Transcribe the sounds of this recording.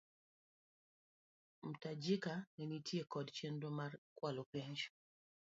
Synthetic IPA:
m̩tad͡ʒikanɛnitʰjekɔdt͡ʃendomarkwalopɛɲt͡ʃ

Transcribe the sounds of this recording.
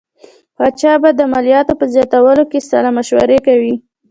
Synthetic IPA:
pɑt͡ʃɑbad̪əamalijɑt̪opəzjɑt̪awəlokesa̰lamaʃwa̰ɾekawi

